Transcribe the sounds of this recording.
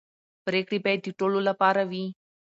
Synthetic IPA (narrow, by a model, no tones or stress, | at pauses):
pɾeːkɽipɛt̪iʈolulapaːɾɐʋi